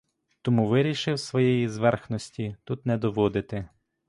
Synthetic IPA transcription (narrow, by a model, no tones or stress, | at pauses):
t̪ɔmuʋɪɾʲiʃɪwsʋɔjɛjizʋɛrxnɔsʲtʲit̪ut̪nɛd̪ɔʋɔd̪ɪt̪ɪ